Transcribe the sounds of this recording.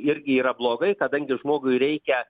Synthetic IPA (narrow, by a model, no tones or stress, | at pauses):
ɪɾʲɡʲɪiːɾɐblˠoːɡɐɪkɐd̪ɐŋʲɡʲɪʒmoːɡʊɪɾʲɛɪkʲɛ